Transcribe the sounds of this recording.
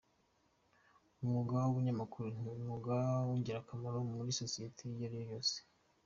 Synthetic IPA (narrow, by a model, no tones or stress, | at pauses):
umuɡawuβuɲamakuɾun̥iumuɡawuɲɟiɾakamaɾomuɾisosijetʰejaɾijojo̞ːse̥